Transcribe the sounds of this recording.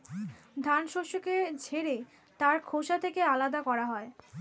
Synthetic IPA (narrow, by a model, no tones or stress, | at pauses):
d̪ʱanʃoʃoked͡ʑʱeɾe | t̪aɾkʰoʃat̪ʰekealad̪akɔɾaɦɔe